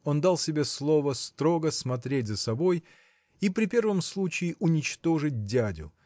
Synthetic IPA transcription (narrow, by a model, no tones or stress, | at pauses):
o̞nd̪alˠsʲɪbʲe̞slˠo̞vəst̪ɾo̞ɡəsmɐt̪ɾʲet̚ʲzəsɐbo̞j | ipɾʲɪpʲe̞rvəmslˠut͡ɕɪɪʔʊnʲɪt͡ɕt̪o̞ʐɨt̚ʲdʲædʲʊ̰